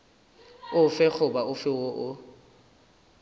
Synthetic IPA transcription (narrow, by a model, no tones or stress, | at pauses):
ʊfɛk͡xʰʊbaʊfɪwoʔʊ